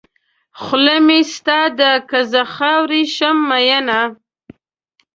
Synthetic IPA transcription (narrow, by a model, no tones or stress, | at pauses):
xʊlemist̪ɑd̪əkazaxɑwɾiʃamːajana